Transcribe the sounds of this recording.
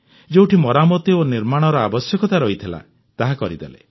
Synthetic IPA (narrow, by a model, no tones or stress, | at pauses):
d͡ʒewʈʰimɔɾamɔt̪ioniɾmaɽ̃ɔɾɔabɔsjɔkɔt̪aɾɔɦit̪ʰila̰ | t̪aɦakɔɾid̪elḛ